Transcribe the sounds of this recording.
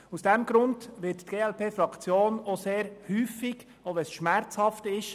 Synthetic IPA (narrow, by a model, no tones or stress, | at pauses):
usd̥ɛmɡ̥ɾʊndʋɪttɡ̥eːɛlpeːfɾɑkt͡sjoːnoseːɾhyːfɪɡ̥ | ovɛsʃmæɾt͡shɑftɪʃ